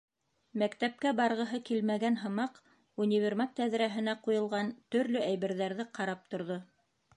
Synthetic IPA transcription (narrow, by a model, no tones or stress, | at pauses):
mækt̪æp̚kæbɑɾʁɤ̆ɦɤkilmæɡænɦɤ̆mɑq | unʲivʲermɑt̪æðɾæɦɘ̆næqujɤ̆lˠʁɑnt̪ɵ̆ɾlɵæjβɘ̆ɾðæɾðɘqɑɾɑp̚t̪ŏɾðo